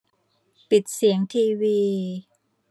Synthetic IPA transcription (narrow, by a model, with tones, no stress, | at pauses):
pi˨˩t̪̚si˩˦əŋt̪ʰiː˧wiː˧